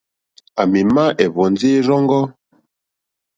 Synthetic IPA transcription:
a˨mi˨ma˦ʔɛ˨vɔ˨n˦d͡ze˦ɾɔ˦ŋɡɔ˦

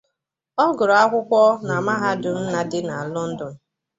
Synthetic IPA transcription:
ɔ˦ɡʊ˨ɾɔ˨a˦kʷʊ˦kʷɔ˦na˨ma˦ɦa˦dʊ˨n̩˦na˦dɪ˦na˨a˨lʊ˦n̩˦dʊ˨n̩˦

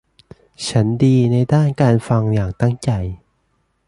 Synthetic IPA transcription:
t͡ɕʰa˦˥ndiː˧na˧jdaː˥˩nkaː˧nfa˧ŋjaː˨˩ŋt̪a˥˩ŋt͡ɕa˧j

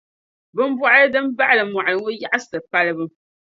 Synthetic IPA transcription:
bɨ˦m˦bwa˦ʔa˦lɨ˦dɨ˦m˦ba˦ʔa˦lɨ˨mwa˨ʔa˨lɨ˨ŋo˦ja˦ʔa˦sɨ˨pa˦lɨ˦bɨ˦m

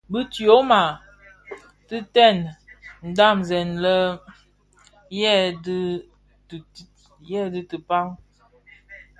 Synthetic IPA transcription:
bə˦tjo˦ma˨ | tɨ˦tɛ˦˨nn̩˨da˦˨mzɛ˨nlə˦ | jɛ˦˨d | jɛ˦˨dɨ˦tə˨pa˦ŋ

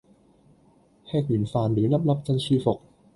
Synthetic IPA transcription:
hʰɛː˧˥˩k̚ni˨˩˦nfaː˧˩nɾɯː˩˦na˧˦˥p̚la˦˥p̚t͡ɕa˧nt͡ɕʰiː˧˩fo˨˩k̚

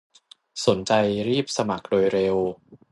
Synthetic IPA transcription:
so˩˦nt͡ɕa˧jɾiː˥˩p̚sa˧ma˨˩k̚doː˧jɾe˧w

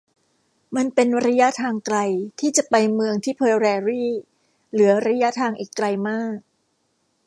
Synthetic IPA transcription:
ma˧npe˧nɾa˦˥ja˦˥t̪ʰaː˧ŋkla˧jt̪ʰiː˥˩t͡ɕa˨˩pa˧jmɯ˧əŋt̪ʰiː˥˩pʰɤː˧ɾɛː˧ɾiː˥˩ | lɯ˩˦ɐɾa˦˥ja˦˥t̪ʰaː˧ŋʔiː˨˩kla˧jmaː˥˩k̚

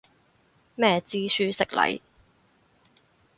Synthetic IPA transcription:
mɛː˥t͡siː˥syː˥sɪ˨k̚lɐ̰˨˥j

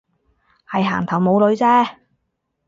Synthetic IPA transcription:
hɐ˨jɦa̰ː˨˩ŋt̪ʰɐ˨˩wmo˨˧wlɵ˨˧ɥt͡sɛː˥

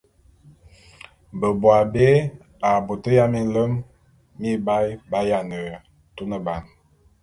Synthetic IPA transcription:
bə˨bwa˨be˦ | a˨bo˨tə˦ja˦mi˦lə˦mː | i˦ba˦jba˦ja˨nə˨ | tu˦nə˨ba˨n

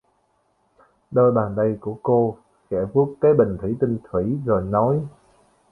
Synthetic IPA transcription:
ɗəː˧jɓaː˨˩nɗ̪ə˧jku˧˩əko˧ | kɛ̰˧˩vu˦˥ək̚kaː˨˦jɓï˨˩ŋ̟t̪ʰi˧˨˦t̪ï˧ŋ̟t̪ʰwi˧˩˦zoː˨˩jnɔ˨˦j

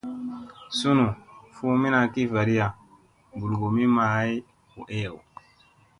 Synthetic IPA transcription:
su˦nu˨fu˦mi˦na˨ki˦va˨ɾi˦ja˨ | bu˨lɡu˨mi˦maː˨˦i˦ | u˨ʔe˦ja˨w

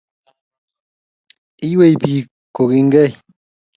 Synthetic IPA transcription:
i˦jwe˦˨jpi˨ | ko˨ki˦ŋ̩˦ɡɛ˦˨j

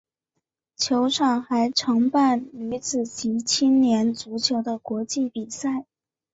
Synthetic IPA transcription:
t͡ɕʰjo˧˥ʊʈ͡ʂʰɑ˥˩ŋxa˧˥ɪʈ͡ʂʰɤ˧˥ŋpa˥˩ny˧˥t͡sɹ̩˨˩t͡ɕʰi˧˥t͡ɕʰi˥nnjɛ˧˥nt͡su˧˥t͡ɕʰjo˧˥ʊd̪ə˧kwɔ˧˥t͡ɕi˥˩pi˨˩sa˥˩ɪ

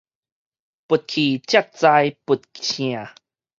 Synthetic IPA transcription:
pu˨˩t̪̚kʰi˨˩t͡ɕja˥˧˩k̚t͡sa˧jpu˨˩t̪̚kʰĩ˧˨a˨˩

